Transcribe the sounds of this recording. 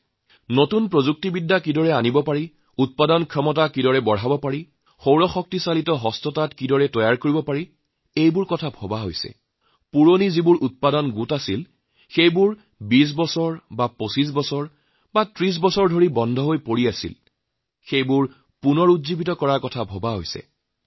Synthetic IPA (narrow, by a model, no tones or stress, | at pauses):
notunpɹozuk̚tibidːakidɔɹɛanibɔpaɹi | ut̚padɔnkʰɔmɔt̬akidɔɹɛbɔɹɦabɔpaɹi | xowɹɔxɔk̚tisalitɔɦɔstɔtatkidɔɹɛtɔjaɹkoɹibɔpaɹi | ejbʊɹkɔtʰabʱɔbaɦo̰jsɛ̰ | puɹonizibʊɹʔut̚padɔnɡutasil | xejbʊɹ | bis̬bɔsɔɹbaposis̬bɔsɔɹ | batɹis̬bɔsɔɹdʱoɹibɔndʱɔɦojpoɹiasḭl | xejbʊɹ | punɔɹudzibitɔkɔɹaɹkɔtʰabʱɔbaɦo̰jsɛ̰